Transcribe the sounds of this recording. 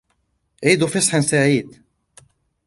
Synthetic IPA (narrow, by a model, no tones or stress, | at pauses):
ʕid̪ufisˤħənsaʕiːd̪